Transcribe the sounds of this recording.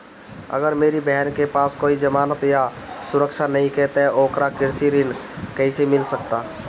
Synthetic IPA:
ə̰ɡəɾmeːɾibɛɦɛnkepaːskoːid͡ʒəmaːnət̪ja | sʊɾəkʃʰanɐɦĩkɛɦt̪eoːkɾakɪɾsiɾɪn | kəisemɪlsəkt̪a

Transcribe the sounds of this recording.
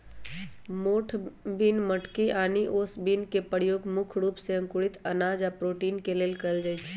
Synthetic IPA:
moːʈʰbinməʈkiʔaːniʔoːsbinkepəɽjoːɡmʊkʰɾuːpseə̃ŋkʊɽɪt̪ɐnaːd͡ʒapɾoːʈiːnkeleːlkəld͡ʒaːjt͡ʃʰ

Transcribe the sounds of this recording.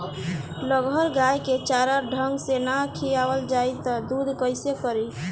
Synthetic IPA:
ləɡʱəɾɡajket͡ʃaɾəɾɖʱəŋɡsenakʰijabəld͡ʒajt̪ɔd̪ud̪ʱkəɪsekəɾi

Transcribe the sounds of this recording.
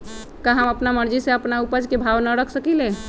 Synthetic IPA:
kaɦəməpnaməɾd͡ʒiseəpnaupəd͡ʒkebʱaʋnəɾəkʰsəkilẽ

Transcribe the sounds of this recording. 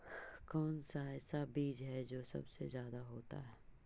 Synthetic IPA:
kɔːnsaɛːsabiːd͡ʒɦɛd͡ʒoːsɐ̰bsḛzjaːd̪aɦoːt̪a̰ɦɛː

